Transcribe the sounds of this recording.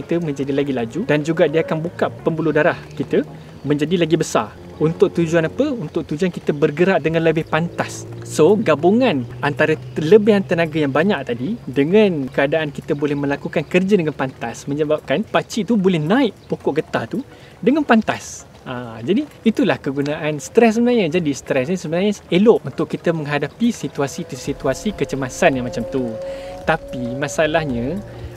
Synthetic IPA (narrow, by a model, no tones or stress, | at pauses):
kit̪əmə̃ɲd͡ʒadilaɡilad͡ʒudand͡ʒuɡaʔdiəakanbukaʔpəmbulʊhdaɾahkit̪ə | mə̃ɲd͡ʒadilaɡibəsa̰r | unt̪ʊk̚t̪ud͡ʒuanapəunt̪ʊk̚t̪ud͡ʒuankit̪əbərɡəɾaʔdəŋãnləbɪhpant̪asːoɡabuŋãnant̪aɾələbɪɦant̪ənãɡajaŋbaɲãʔ̚t̪adidəŋãnkəadaʔankit̪əbolɛhmə̃lakukankərd͡ʒadəŋanpant̪asmə̃ɲəbap̚kanpat͡ʃiʔt̪ubolɛhnãɪʔpokɔʔɡət̪at̪u | dəŋanpant̪as | ʔad͡ʒadiːt̪ulahkəɡunaʔansə̥t̪ɾɛs̬səbənajɲə̃d͡ʒadist̪ɾɛs̬ɲəsəbənaɲəeloʔunt̪ʊkːit̪əmə̃ŋɦadapisit̪uasit̪usit̪uasikət͡ʃəmasanjaŋmat͡ʃamt̪ut̪apimãsalahɲə̃